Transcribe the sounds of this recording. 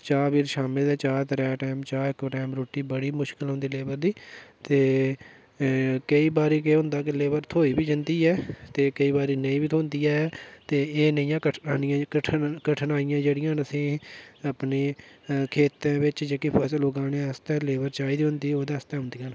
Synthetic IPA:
t͡ʃaːbiːɾʃaːmɪlɛːt͡ʃaːt̪ɾɛːʈɛːmt͡ʃaːɪkʈɛːmɾoːʈiːbəɽiːmʊʃkɪlɦõnd̪iːleːbəɾd̪iːt̪eː | kəiːbaːɾiːkeɦʊ̃nd̪aːk̬ɪleːbəɾt̪ʰoːiːbiːd͡ʒɪnd̪iːɛːt̪eːkəiːbaːɾiːnəĩːbiːt̪ʰoːnd̪iːɛːt̪eːeːnəĩjãːkəaːnɪjãːkəʈʰkəʈʰənaːɪjãːd͡ʒeːɽɪjãːnəsĩːəpneːkʰeːt̪ãːʋɪt͡ʃd͡ʒeːkipʰəsloːɡãːnẽːəst̪ɛ̃ːleːbəɾt͡ʃaːiːd̪iːɦʊ̃nd̪iːoːd̪eːəst̪ɛ̃ːɦʊ̃nd̪iːjãːn

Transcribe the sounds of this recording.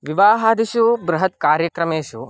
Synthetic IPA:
ʋiʋaːɦaːd̪iʃubɾɐɦɐt̪kaːɾjɐkɾɐmeːʃṵ

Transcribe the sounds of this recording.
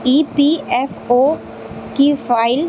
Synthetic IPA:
iːpiːef | oː | kifaːɪl

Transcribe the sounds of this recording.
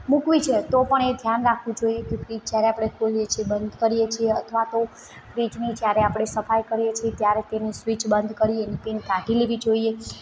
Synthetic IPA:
mũkʋit͡ʃʰet̪opəɳed̪ʱjanɾakʰʋũd͡ʒoijekefɾid͡ʒd͡ʒjaɾeapɽ̃ekʰolijet͡ʃʰiebənd̪ʱkəɾijet͡ʃʰieət̪ʰʋat̪o | fɾid͡ʒnid͡ʒjaɾeapɽ̃esəfajkəɾijet͡ʃʰiet̪jaɾet̪enisʋit͡ʃbənd̪kəɾienipinkãʈileʋid͡ʒoie

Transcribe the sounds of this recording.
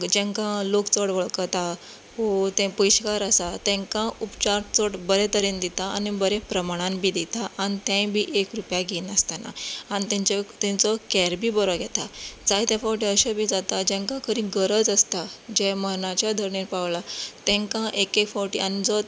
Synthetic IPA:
d͡ʑɛ̃ŋkãlokt͡səɽʋəɭkət̪a | ɦot̪ɛ̃pujɕkaɾəsat̪ɛ̃ŋkãupt͡ɕaɾʈt͡sɔɽbəɾɛt̪əɾend̪it̪aanibəɾepɾəmaɽ̃ãmbʱiːd̪it̪aʔanit̪ɛ̃jbʱiːʔekɾupjaɡiːnəst̪ana̰anit̪ɛ̃t͡ɕɔt̪ɛ̃nt͡sɔkɛɾbiːbəɾɔɡʱɛt̪ad͡zait̪jɛ̃fɔwʈ̬iəɕəbʱiːd͡zat̪ad͡ʑɛ̃ŋkãkʰəɾĩɡəɾəd͡zəst̪ad͡ʑɛmənat͡ɕjad̪ʱəɾɳiɾpaʋlat̪ɛ̃ŋkãʔekekfɔʈḭanid͡zɔ

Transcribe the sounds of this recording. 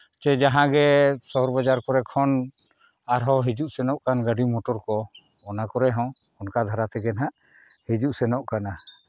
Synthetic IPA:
t͡ʃɛd͡ʒaɦãɡɛsɔɦɔɾbad͡ʒaɾkɔɾɛkʰɔn | aɾɦɔɦid͡ʒuʔsɛnɔʔkanɡaɖimɔʈɔɾkɔ | ɔnakɔɾɛɦɔ̃ | ɔnkad̪ʱaɾat̪ɛɡɛnɦaʔ | hid͡ʒuʔsɛnɔʔkana

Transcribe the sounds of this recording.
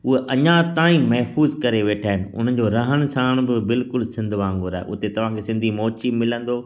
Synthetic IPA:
ʊɦeʔɐɲãt̪aːĩmɐɦfuːzkɐɾeʋeːʈʰaːɦɪnɪ̆ʊ̰n̤ən̆d͡ʑoɾɐɦəɽ̃sãːɽ̃bɪbɪlkʊlsɪ̃nd̪ʱʋãːŋɡʊɾaːʔʊ̰t̪et̪ɐʋ̤ãːkʰesɪ̃nd̪ʱimɔːt͡ɕimɪlə̃nd̪oː

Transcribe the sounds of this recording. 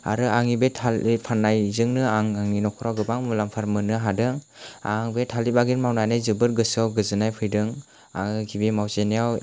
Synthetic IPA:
a̰ɾɯaŋibetʰalipʰanːajzɯŋnɯaŋaŋinɔkʰɔɾawɡɯbaŋmɯlampʰaɾmɯnɯɦadɯŋ | a̰ŋbetʰalibaɡinmawnajnɯjzɯbɯɾɡɯsawɡɯzɯnajpʰɯjdɯŋ | a̰ŋɡibimawzenijaw

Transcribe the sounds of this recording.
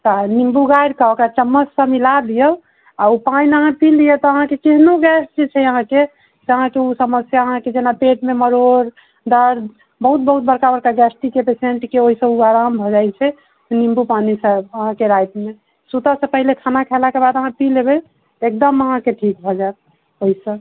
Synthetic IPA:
t̪ɔnimbuɡajɾkəokat͡ʃəmːəssə̃milad̪ijəl | aupainəɦãpilːijɛt̪ɔəɦãkekeɦnoɡɛsʈit͡ʃʰɛəɦãke | t̪əɦãkeusəməsjaəɦãked͡ʒenapeʈmeməɾoɾ | d̪əɾd̪ | bəɦut̪̚bəɦut̪̚bəɾkabəɾkaɡɛsʈikepeseɳʈkeoɦisə̃uaɾambʱɔd͡ʒajt͡ʃʰɛ | nimbupanisəbəɦãkeɾajt̪me | sut̪asə̃pəɦilekʰanakʰɛlakebad̪əɦãpilebɛ | t̪ek̚d̪əməɦãkeʈʰik̚bʱɔd͡ʒat̪̚ | oisə̃

